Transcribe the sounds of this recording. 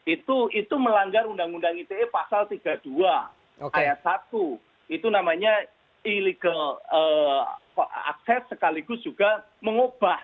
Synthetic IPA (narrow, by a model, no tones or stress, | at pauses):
it̪uit̪uməlaŋɡaɾundaŋundaŋit̪eepasalt̪iɡ̥ad̥ua | okajat̪̚sat̪u | it̪unamaɲa | iliɡalə | a̰k̚sɛsːəkaliɡʊsdd͡ʒ̥uɡa | məŋob̥ah